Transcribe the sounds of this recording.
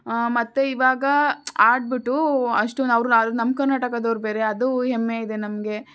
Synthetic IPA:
mɐt̪ːeiʋaːɡɐaːɖ̚biʈːuɐʂʈuɐʋɾuad̪unɐmkɐɾnaːʈɐkɐd̪ɐʋɾubeːɾe̞ɐd̪uɦemːeid̪e̞nɐmɡe̞

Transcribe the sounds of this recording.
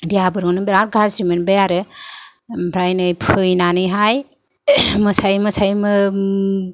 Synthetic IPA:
dijabɯɾɡɯnɯbiɾaɾɡʱasɾimenbejaɾɯ | bʰʱɾajnɯjpʰɯjnanɯjɦaj | mɯsajmɯsajmɯ

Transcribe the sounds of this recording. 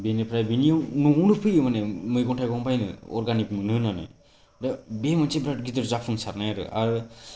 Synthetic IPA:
benipʰɾajbinijanɔunɯpʰɯjɯmanɛmɯjɡɔnʈʰajɡɔŋpajnɯ̰ɔ̰ɾɡanikmɯnɯnanɯ̰ | dabemɯnt͡ʃebɾaʈ̚ɡit̪ɯɾzapʰɯŋsaɾnajaɾɯ̰a̰ɾ

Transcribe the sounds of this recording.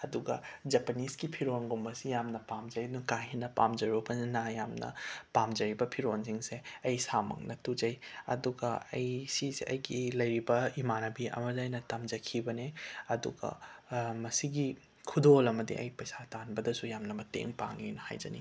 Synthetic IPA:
ɐduɡɐ̰d͡ʒɐpɐniskipʰiɾonɡumbɐsijamnɐpamd͡ʒɐɾiduŋkajɦinɐpa̰md͡ʒɐɾubɐnajamnɐ̰pamd͡ʒɐɾibɐpʰiɾonsiŋseɐjsamɐ̰ŋnɐtud͡ʒɐjɐ̰duɡɐɐ̰jsisiʔɐjɡilɐjɾibɐimanɐbiɐ̰mɐzajnɐtamd͡ʒɐkʰibɐneɐdṵɡɐ̰mɐsiɡi | kʰudolɐmɐdḭʔɐ̰jpɐjsatanbɐdɐsujamnɐmɐtḛŋpa̰ŋinɐha̰jd͡ʒɐ̰nḭ

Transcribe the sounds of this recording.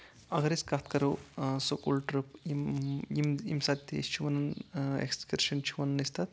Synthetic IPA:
ɐɡɐɾiskaːt̪kɐɾusukulʈɾupimimimsat̪ʲːḛst͡ʃʰuʋɐnɐnḛkskiɾʃɐnt͡ʃʰuʋɐnɐnist̪at̪

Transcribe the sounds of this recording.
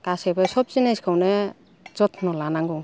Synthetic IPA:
kasebasɔp̚zinajskʰawne | zɔtʰnɔlanaŋɡɔw

